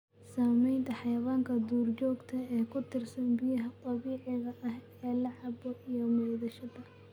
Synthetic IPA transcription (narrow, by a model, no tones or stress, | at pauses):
saːmɛjnt̪ʰɐħɑjɐβaːŋkʰɐd̪uːrt͡ʃɔːɡt̪ʰɐɛːkʰʊt̪ʰɪrsɐnbɪjɐɦɐt̪ˤʼɑβiːʕɪɣɐʔɐh | ɛːlɑʕɑbɔʔijɔmɔːðɐʃɐðɐ